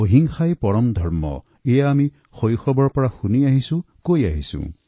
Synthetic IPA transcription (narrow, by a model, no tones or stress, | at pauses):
oɦiŋxajpɔɾɔmd̪ʱɔɹmɔ̰ | ejaːmi | xojxɔbɔɹpɔɹaxuniaɦisũ | kojaɦisṵ̃